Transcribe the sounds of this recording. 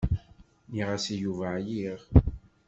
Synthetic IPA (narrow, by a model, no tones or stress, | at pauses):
niʁasijuvajiʁ